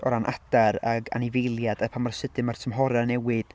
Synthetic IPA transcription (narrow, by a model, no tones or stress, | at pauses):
ɔɾanʔa̰d̥aɾaɡa̰nɪvejlˠjadapʰamarsɨdɨmartʰəmɦɔɾanɛwɨd̥